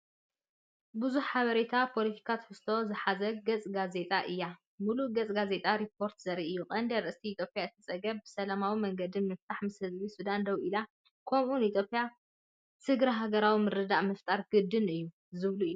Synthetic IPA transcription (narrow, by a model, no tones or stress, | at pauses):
bɨzuħħaβɐɾet̪ʰapʰo̞lit̪ʰi̥kʰat̪ʰħɨst̪ʰo̞zɨħazɐɡɐt͡sʼɡaze̞t̪ʼaʔɨjːa | muluɡɐt͡sʼɡaze̞t̪ʼaɾipʰːo̞ɾt̪zɐɾiʔɨjːukʼɐnd̪eɾʔɨst̪ʰiːt̪ʰjo̞pʼjaɨt̪ʰːɨt͡sʼɐɡɐbbɨsɐlamawimɐŋɡɐd̪imɨft̪ʰaħmɨshɨzβisud̪and̪ɐwʔila | kʰomʔunit̪ʰjopʼija | sɨɡɾɐɦaɡɐɾawimɨɾɨd̪aʔmɐft̪ʼaɾɡ̥ɨd̪ɨnɨjːu | zɨβluɨju